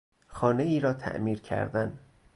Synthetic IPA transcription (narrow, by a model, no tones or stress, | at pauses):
xɒːne̞iːɾɒːt̪ʰæ̰ʔmiːɾcʰæ̰ɾd̪æn